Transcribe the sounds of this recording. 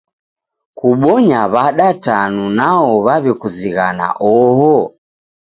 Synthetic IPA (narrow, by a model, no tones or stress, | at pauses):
kuɓɔɲaβaɗatanunaɔβaβɛkuziɣana̰ʔɔɦɔ